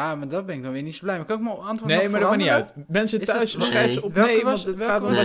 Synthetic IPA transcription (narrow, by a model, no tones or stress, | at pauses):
jamadɔt̚bɛnɪkɡ̚dɔnʋɪːɹnitsoblɛjmakɑnkmaɑntʋʊnejmmaɹdamaniœɥt | mɛnsətœɥssχɛjsəɔmeɑntətaːtɔ